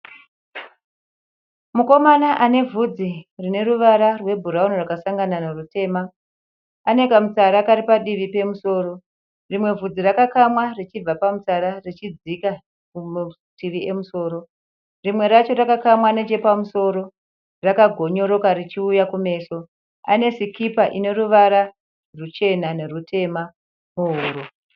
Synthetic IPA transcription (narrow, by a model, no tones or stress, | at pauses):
muko̞manaʔane̞vʱud͡zirine̞ruʋaɾarwe̞bʱuɾaunorakasaŋɡananarute̞ːma | ane̞kamut͡saɾakaɾipaɗiʋipe̞muso̞ːro̞ | rimwe̞vud͡zirakakamwarit͡ʃib͡vapamut͡saɾarit͡ʃid͡zika | ku | tiʋie̞muso̞ːɾo̞ | rimwe̞ɾat͡ʃo̞rakakamwane̞d͡ʒe̞pamuso̞ɾo̞ | rakaɡʱo̞ɲo̞ɾo̞karit͡ʃiujakume̞ːso̞ | ane̞sikipaʔine̞ruʋaɾa | rut͡ʃe̞nane̞rutʰe̞ma | muɦuːru